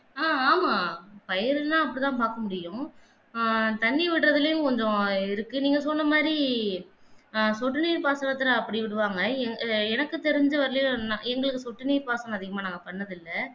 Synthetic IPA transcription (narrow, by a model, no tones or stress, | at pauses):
aːaːmaːpɐjɐɾnãːɐp̬ːɐɽit̪̬ãːpaːɾkɐmʊɽɪjʊ̃ | t̪ɐɳːiʋɪʈːɾɐðɪlɐjʊ̃kɔɲd͡ʒɔ̃ɪɾɯkːɯniːŋɡɐsɔnːɐmaːd̪ɾi | sɔʈːɯniːɾpaːsɐɳɐt̪ːɪlɐːpːɐɽiʋɪɽɯʋaːŋɡɐɛŋɡɛnɐkːɯt̪ɛɾɪɲd͡ʒɐʋɐɾlɐjnaɛŋɡɐɭɯkːɯsɔʈːɯniːɾpaːsɐnɐ̃ɐðɪɣɐmaːnaːŋɡɐpɐɳːɐðɪlːɐ